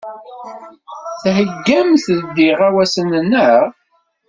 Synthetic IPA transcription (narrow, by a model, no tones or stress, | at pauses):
θhəɡːæmθəd̪iʁæwæsənnːəʁ